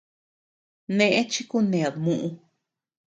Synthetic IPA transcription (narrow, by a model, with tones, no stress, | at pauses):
nẽ˧ʔẽ˦t͡ʃi˦ku˦nẽ˨a˨mũ˧ʔũ˧